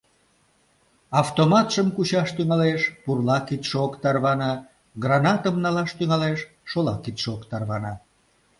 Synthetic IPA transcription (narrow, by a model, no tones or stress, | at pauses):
ɑft̪omɑt̪ʃəmkut͡ɕɑʃt̪yŋɑleʃpurlɑkit̪ʃeokt̪ɑrβɑnɑ | ɡrɑnɑt̪əmnɑlɑʃt̪yŋɑleʃː | olɑkit̪ʃeokt̪ɑrβɑnɑ